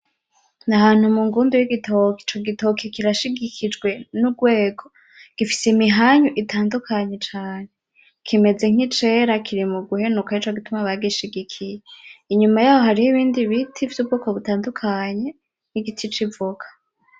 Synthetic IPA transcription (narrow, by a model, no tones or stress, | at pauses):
nahaːn̥humuŋɡuːndujiɡitʰokt͡ʃoɡitokʰikiɾaʃiɡikʰid͡ʒɡwe̞nuɡwe̞ːɡo̞ | ɡ̥ifi̥seimiɦaɲuʔitʰaːndukʰaɲe̞t͡ʃaːne̞ | kʰime̞ze̞ŋ̥it͡ʃe̞ɾakʰiɾimuɡuhe̞nukait͡ʃoɡitumaβaɡiʃiɡikʰijeiɲumajaːho̞ɦaɾihoiβiːndiβitʰivjub̚ɡukoβutaːndukʰaɲe̞ | niɡitʰit͡ʃivuɡ̥ḁ